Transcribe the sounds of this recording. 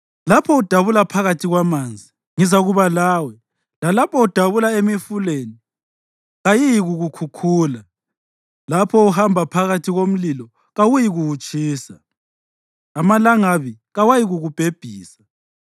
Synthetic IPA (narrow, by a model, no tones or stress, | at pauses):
lapʰɔud̥ʱaβulapʰaɣatʰiɣwamaːnd͡zʱi | ŋizaɣuβalaːwɛ | lalapʰɔud̥ʱaβulaemifuleːni | ɣajijiɣuɣukʰukʰuːla | lapʰɔuɦambʱapʰaɣatʰiɣom̩lilɔ | ɣawujiɣuwut͡ʃʼiːsa | malaŋaβiɣawajiɣuɣub̥ʱeb̥ʱiːsḁ